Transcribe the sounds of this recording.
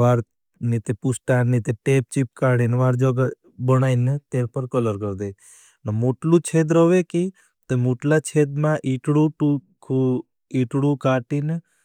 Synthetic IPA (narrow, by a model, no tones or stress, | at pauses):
ʋaːɾ | nit̪epusʈannit̪eʈeːp̚t͡ʃip̚kaːɽenʋaːɾd͡ʒɔɡa | bənaːinet̪eɾpəɾkələɾkəɾd̪e | nəmoʈlũt͡ʃʰeːd̪ɾɔʋeki | t̪omoʈlat͡ʃʰeːd̪mãʔiʈɽuʈukʰu | iʈɽũkaʈin